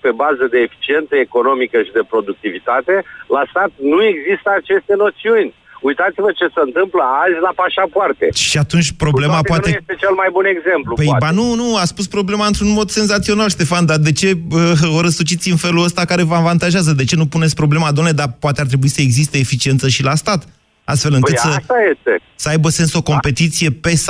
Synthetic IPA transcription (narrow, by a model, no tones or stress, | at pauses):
pe̞bazəd̪e̞ːfi̥t͡ʃient̪səeko̞no̞mikəʃid̪e̞pɾo̞d̪uk̚t̪ivit̪at̪e̞last̪at̪̚nue̞ɡzist̪əat͡ʃe̞st̪e̞no̞t̪siunʲ | ujt̪at̪sivət͡ʃe̞səɨnt̪ɨmpləazʲlapaʃapart̪e̞̰ʃiat̪unt͡ʃʲpɾo̞blematpwanejest̪et͡ʃelmajbune̞ɡze̞mplupejbanunuaspuspɾo̞ble̞maɨnt̪ɾunmo̞d̪se̞nzat̪sio̞nalʃt̪e̞fand̪ad̪e̞t͡ʃe̞əoɾəsut͡ʃit̪siɨnfe̞luəst̪akaɾe̞vəavant̪aʒɪazəd̪e̞t͡ʃe̞nupunesʲpɾo̞ble̞mad̪omned̪apoat̪eaɾt̪ɾe̞buisəe̞ɡzist̪e̞ːfit͡ʃie̞nt̪səʃilast̪at̪ | a̰st̪fe̞lɨŋkɨt̪səst̪ajest̪ḛ | səajbəse̞nso̞ko̞mpe̞t̪it̪sije̞pe̞s